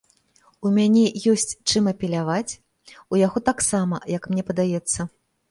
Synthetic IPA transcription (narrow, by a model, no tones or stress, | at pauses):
umʲanʲɛjɔsʲt͡sʲt͡ʂɨmɐpʲɛlʲavat͡sʲ | ujaɣɔt̪aksamɐjɐkmnʲɛpɐd̪ajɛt̪sːɐ